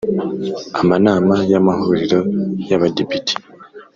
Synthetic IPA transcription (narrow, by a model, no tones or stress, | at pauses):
amanaːmajamahuɾiɾo̞jaβadepitʰi̥